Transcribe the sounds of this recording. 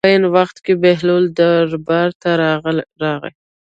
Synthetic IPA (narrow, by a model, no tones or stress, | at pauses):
ajənwaxt̪kebeɦlold̪aɾbaɾt̪aɾɑɣə̰j